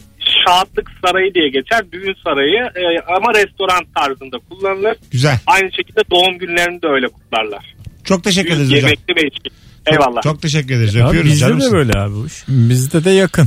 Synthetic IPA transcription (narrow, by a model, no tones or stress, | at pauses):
ʃaːt̪lˠɯksaɾajɯd̪ijɛɟe̞t͡ʃʰæɾbyjynsaɾajɯamaɾɛst̪o̞ɾant̪ʰːaɾzɯnd̪akʰulˠːanɯlˠɯɾ̥ɟyzælʲajnɯʃe̞cʰilʲd̪ɛd̪o̞umɟynlʲeɾinid̪ɛø̞jlʲɛkʰu̥t̪lˠaɾlˠaɾ̥t͡ʃʰo̞k̚t̪ʰe̞ʃ̬ɛc̬ʲyɾeeɾioed͡ʒmɛk̚ʲlʲivɛiʃʲiɛjvalˠːaːt͡ʃʰo̞k̚t̪ʰe̞ʃ̬ɛc̬ːyɾed̪eɾizjapːjo̞ɾuizd͡ʒaimlɛbøjlʲɛaːbibuʃbizd̪ɛd̪ɛjakʰɯn